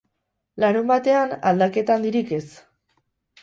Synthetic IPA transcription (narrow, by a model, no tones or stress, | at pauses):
laɾumbat̪e̞ana̰ld̪ake̞t̪and̪iɾike̞s